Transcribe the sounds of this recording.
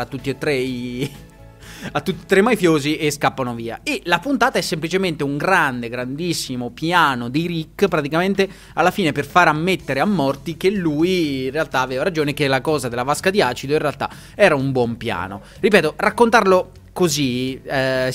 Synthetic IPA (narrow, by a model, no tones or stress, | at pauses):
at̪ːut̪ːiet̪ːɾe | at̪ːut̪ːi̥t̪ɾemajfjoːziʔeskapːanoviːa̰elapunt̪aːt̪aɛsːemplit͡ʃement̪euŋɡɾand̪eɡɾand̪isːimopjaːnod̪iɾikːpɾat̪ikament̪e | alːafiːneperfaɾamːet̪ːeɾeamːɔrt̪ikelːujirealt̪aːvɛːvaɾad͡ʒoːnekelːakɔːzad̪elːavaskad̪iaːt͡ʃid̪oinrealt̪a̰ | ɛːɾaumbwɔmpja̰ːno̰ | ripɛːt̪orakːont̪arlo | kozi